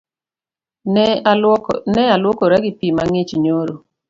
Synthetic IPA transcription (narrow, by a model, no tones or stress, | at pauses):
nɛalwokoɾɛɡɪpimaŋit͡ʃɲoɾo